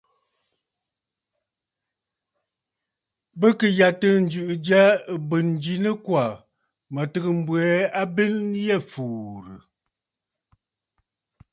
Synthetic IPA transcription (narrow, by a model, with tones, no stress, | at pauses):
bə˦kə˨ja˨tə˦n̩˦d͡ʒʉ˦˨ʔd͡ʒja˦˨bə˨n˨d͡ʒi˦nə˦kwa˨ | mə˨tə˦ɣə˨m̩˦bwɛ˨˦a˦be˦njɛ˦˨fuː˨ɾə˨